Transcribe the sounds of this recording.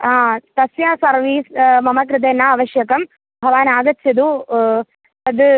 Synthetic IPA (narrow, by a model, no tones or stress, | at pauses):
aːt̪ɐsjãːsɐɾʋiːsmɐmɐkɾɨt̪eːnːaːɐʋɐʃjɐkɐm | bʱɐʋaːnaːɡɐt͡ʃʰːɐd̪uː | ɐd̪ɨ